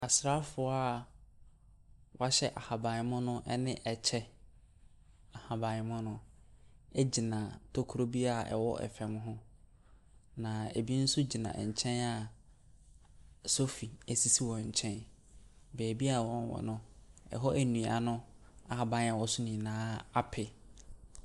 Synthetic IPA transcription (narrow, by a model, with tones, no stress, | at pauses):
a˨sɾa˦fʊ˨˦a˦˨ | wʔɔ˦a˦ɕɛ˦ʔa˨ha˨bã˨˦mʊ̃˦nʊ̃˦ʔɛ˦nɪ̃˦ʔɛ˨t͡ɕʰɛ˦ | a˨ha˨bã˨ɪ˨˦mʊ̃˦nʊ̃˦ | ɛ˦d͡ʑi˨nã˨tʰo˦kʰu˨ɾo˦bi˦a˨ɛ̰˨wɔ˦ʔɛ̰˨fɛ˨m˦ɦʊ̃˦ | nã˨e˨bi˦n̩˦sʊ˦d͡ʑi˨nã̰˨ɲ̩˨t͡ɕʰɛ̃˦na˨ | so˦fi˨æ˨si˦si˦wɔ̃˨ɲ̩˨t͡ɕʰɛ̃˦n | bɛː˨bi˦a˦˨wɔ̃˦n˦wɔ̰˨nʊ̃˦ɛ̰˨ɦɔ˦ʔæ˨nũ˨a˨nʊ̃˦ | a˨ha˨bã˨n˦a˨wɔ˨sʊ˦nĩ˨nãː˦a˦pʰɪ˨